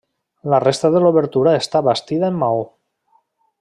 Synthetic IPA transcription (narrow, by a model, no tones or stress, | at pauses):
larest̪aðeloβeɾt̪uɾaest̪aβast̪iðaemːao